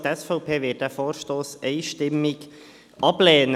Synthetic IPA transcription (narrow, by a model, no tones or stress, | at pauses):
tɛsfɔʊpʰeːʋɪːt̚d̥æːfoːrʃtoːsɛɪʃtɪmɪk | ʔɑblɛːnə